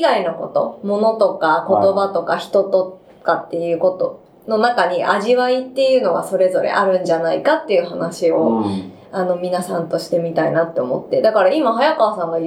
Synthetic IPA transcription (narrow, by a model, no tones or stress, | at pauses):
ɡaino̞ko̞t̪o̞̰mo̞no̞t̪o̞kako̞t̪o̞bat̪o̞kaçi̥t̪o̞t̪o̞ | kat̪ːe̞jɯ̟ːko̞t̪o | no̞nakaɲ̟iʔaʑiβait̪ːe̞jɯ̟ːno̞ɡaso̞ɾe̞zo̞ɾḛʔaɾɯ̟̃ɲd͡ʑanaikat̪ːe̞jɯ̟ɦanaɕio̞ | ano̞mʲinasãnt̪o̞ɕi̥t̪e̞mʲit̪ainat̪ːe̞omo̞̰t̪ːe̞d̪akaɾaimaɦajakaβasãŋɡa